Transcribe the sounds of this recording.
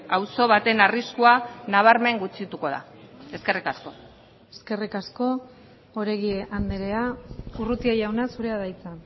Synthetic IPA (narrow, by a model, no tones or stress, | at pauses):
awso̞βat̪e̞nariskuanaβaɾme̞ŋɡut͡sit̪uko̞ða̰eske̞rikasko̞ | e̞ske̞rikasko̞ | oɾe̞ɣieʔand̪eɾe̞aurut̪iaʝawnasuɾe̞aðajt͡san